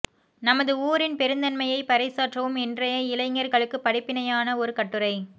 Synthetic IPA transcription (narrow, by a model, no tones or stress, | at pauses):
nɐmɐðɯuːɾɪnpɛɾɯnd̪ɐnmɐjɐɪpɐɾɐɪsaːʈrɐʋɯmɛndrɐjɐɪlɐɪŋɡɐɾɣɐɭɯkːɯpːɐɽɪpːɪnɐjaːnɐɔɾɯkɐʈːɯɾɐɪ